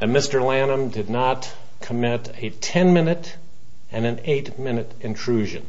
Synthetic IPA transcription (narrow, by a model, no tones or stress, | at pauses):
ɨmɪstə˞lænə̃mdɨdⁿnət | kʰəmɪɾ | ɨtʰɛ̃nmɪ̃nɨɾ | ɨ̃nɨ̃neɪt̚mɪ̃nɨɾɨ̃ntʰɹ̥ʉʒɨ̰̃n